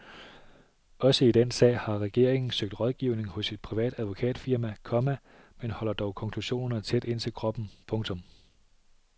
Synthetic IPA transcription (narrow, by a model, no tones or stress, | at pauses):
ɒ̽səid̥ensɛ̰ːɪhɑ̈ʁɛɡ̥e̝ɐ̰e̝ŋn̩søɡ̥̚d̥ʁɒ̽ð̞ˠɡ̥iːʊne̝ŋhɔ̽sid̥̚pʰʁiʋɛ̰ːd̥æð̞ˠʋo̝kʰɛ̰ːd̥fiɐmækʰɒ̽mæ | menhɒ̽l̰ɐd̥ɒʊkʰɒ̽ŋkʰluɕo̝̰ːnɐɐt͡sʰed̥e̝n̰t͡sʰe̝lkʰʁɒ̽b̥n̩pʰɔ̽ŋt͡sʰɔ̽m